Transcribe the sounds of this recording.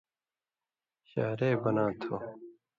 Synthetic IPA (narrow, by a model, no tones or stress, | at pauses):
ɕa̰ːɾeːbɐnaːt̪ʰo